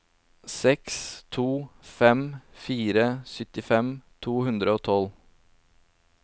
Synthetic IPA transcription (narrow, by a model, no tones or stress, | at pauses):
sɛkst̪ʰuːfɛmfiːɾəsʏt̪ɪfɛmt̪ʰuːhʉnd̪ɾəoːt̪ʰɔl